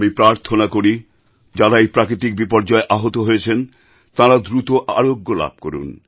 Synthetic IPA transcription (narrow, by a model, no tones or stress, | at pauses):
mipɾaɾt̪ʰonakoɾi | d͡ʑaɾaejpɾakɾit̪̬ik̚bipɔɾd͡ʑaeʔaɦot̪oɦojet͡ɕʰen | t̪ãɾad̪ɾut̪oʔa̰ɾoɡːola̰b̚ʱko̰ɾṵn